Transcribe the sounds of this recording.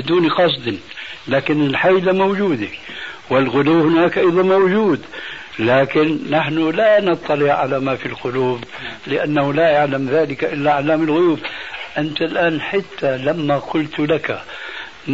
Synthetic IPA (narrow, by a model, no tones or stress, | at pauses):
ɪd̪uːniqɑsˤd̪ɪn | laːkɪnɪlħajlamowd͡ʒuːd̪ewɪlɣʊluːhʊnaːkʔɑjðˤɑnmowd͡ʒuːd̪ | laːkɪnːaħnʊlanɑt̪ˤːɑlɪʕʕalamafilqʊluːb | lɪʔanːahʊlajaʕlamðaːlɪkaʔɪlːaʕalːaːmɪlɣʊjuːbʔɪnt̪alʔaːnħat̪ːalamːaqʊlt̪laka | n